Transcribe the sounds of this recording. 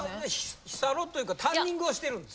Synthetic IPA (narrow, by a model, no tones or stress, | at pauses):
eeççi̥saɾot̪ːojɯ̟kat̪ãɲːĩŋɡɯoɕi̥t̪e̞ɾɯ̟̃nd̪e